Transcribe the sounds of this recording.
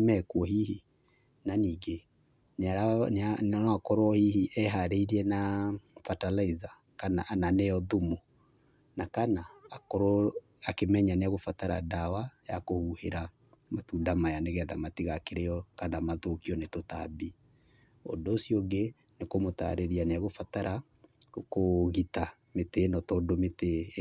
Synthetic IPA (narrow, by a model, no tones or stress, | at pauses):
mɛkwɔɦihi | naniːɡe | naɾananɔakɔɾwɔhihiʔɛɦaɾeiɾiɛnafatalaiza | kanaʔnanɛjɔðumo | nakanaːkoɾo | akemɛɲaneaɣofataɾadawajakohuheɾa | matudamajaneɣɛðamatiɣakeɾejɔkanamaðokiɔnetota̰bi | o̰ndoːsioɡe | nekomota̰ɾeɾianeaɣofataɾʔa | koɣita | metenɔtɔːdomete